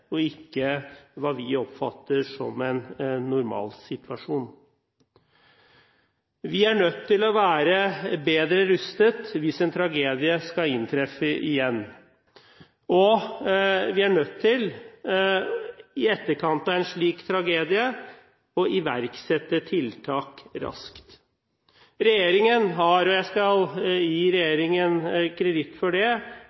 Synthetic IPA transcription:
ɔɪkːəʋɑːʋɪɔpfɑ̰t̪ːəʂɔ̰mɛnːʊɾmɑ̰ːlsɪt̪ʋɑʂuːn | ʋɪæɳœt̪ʰːɪlɔʋæːɾəbeːd̪ɾəɾʉst̪ət̪ʋɪsɛnt̪ʰɾɑɡeːd̪ɪəskɑɪnt̪ʰɾɛfəʔɪjɛnː | ɔ | ʋɪæɳœt̪ʰːɪl | ɪɛt̪ːəɾkʰɑnt̪ɑɛnʂɭiːkt̪ʰɾɑɡeːd̪ɪə | ɔʔɪʋæ̰ɾksɛt̪ːət̪ʰɪlt̪ʰɑːkɾɑ̰skt̪ | ɾɛjeːɾɪŋənɦɑɾɔjæɪskɑljiːɾɛjeːɾɪŋənkʰɾɛd̪ɪt̪ːfɔɖɛ

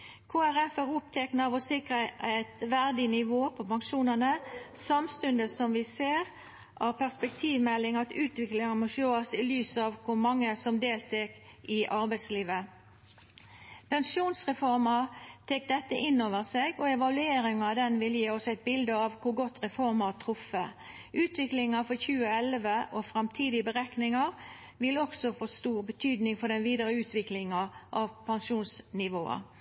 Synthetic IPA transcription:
kʰoːæʁɛfæʁʊp̚t̪ʰɛknɑɑʋɔsɪkʁəæɪt̪ʋæʁd̪ɪnɪʋoːpʰɔpɑŋʃuːnənəsɑmst̪ʉnd̪əsɔmʋɪseːʁ | ʔɑʋpæʁspɛk̚t̪ʰiːʋmɛlːɪŋɑt̪ʉːt̪ʋɪklɪŋɑnmɔʃøːɑsɪlyːsɑʋkʰʊɾmɑŋːəsɔmd̪eːlt̪ʰɛk | ɪʔɑɾbæɪsliːʋə | pʰɛŋʂjuːnsʁɛfɔʁmɑt̪ʰeːk̚d̪ɛt̪ːə̰ʔɪnːoːʋəʁseːɡɔɛʋɑlʉeːɾɪŋɑd̪ɛnʋɪljiːɔsæɪt̪̚bɪld̪əɑʋkʊɡɔt̪ːʁɛfɔʁmɑt̪ʰɾʊfə | ʔʉːt̪ʰʋɪklɪŋɑfɔçʉːəɛlʋəʔɔfɾɑmt̪ʰiːd̪ɪbəʁæknɪŋɑʁ | ʋɪlːəɔksɔfoːst̪uːʁbət̪ʰyːd̪nɪŋfɔd̪ɛnʋiːd̪əɾəʉːt̪ʰʋɪklɪŋɑʔɑʋpʰɛnʂuːnsnɪʋoːɑ̰

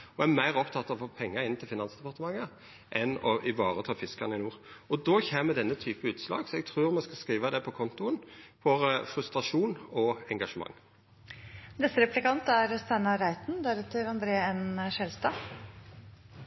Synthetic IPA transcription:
ɔæmæɪʁɔpt̪ʰɑt̪ːɑɔfoːpʰɛŋːəɾɪnt̪ʰɪlfɪnɑnsd̪ɛpɑʁt̪əmɑŋːə | ʔɛnɔʔɪʋɑːʁət̪ʰɑːfɪskɑnɪnuːʁɔd̪oːçeːmmɛd̪ɛnːət̪ʰyːpəʉːt̪slɑ̰ːɡsɔɛɡ̚t̪ʰʁʉːʁmɛskɑskʁiːʋəd̪ɛpʰɔkʰɔnt̪ʊənfɔɾfɾʉst̪ɾɑʂuːnɔɛŋɡɑʂəmɑ̰ŋː | nɛsəɾɛplɪkɑnt̪æɾst̪ænɑɾæɪt̪nd̪ɛɾɛt̪ʰːəɾɑnd̪ɾeːɛnəʃɛlst̪ɑː

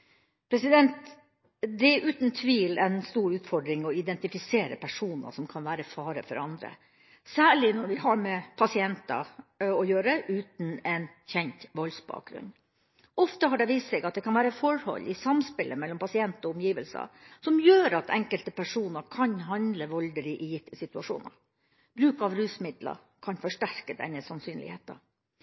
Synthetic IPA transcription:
pʰɾɛsɪd̪ɛnt̪ | d̪ɛɛʔʉːt̪nt̪ʰʋiːlɛnst̪uːɾʉːt̪fɔɖɾɪŋɔɪd̪ɛnt̪ɪfɪseːɾə̰pʰæʂuːnə̰sɔmkʰɑnʋæːɾəfɑːɾə̰fɔ̰ɾɑnd̪ɾə̰ | sæːɭɪnɔɾʋɪhɑɾmɛpʰɑsɪɛnt̪ɑ̰ɔjøːɾəʔʉːt̪n̩ɛn | çɛnt̪ʋɔlsbɑ̰ːk̚ɡɾʉ̰n | ɔft̪əɦɑɖɛʋiːst̪sɛɡɑt̪̚d̪ɛkʰɑnʋæːɾəfɔɾhɔ̰lːɪsɑmspɪlʔəmɛlːɔmpʰɑsɪɛnt̪ɔʊmjiːʋəlsɑ̰sɔmjøːɾɑt̪ʰɛ̰ŋkəlt̪əpæʂuːnəɾkʰɑnɦɑnd̪ləʋɔld̪əlɪʔɪjɪt̪əsɪt̪ʉɑʂṵːnə̰ɾ | b̥ɾʉːkɑʋɾʉːsmɪd̪lɑ̰ | kʰɑnfɔʂʈæɾkəd̪ɛ̰nːəsɑnsyːnlɪ̰heːt̪ɑ̰

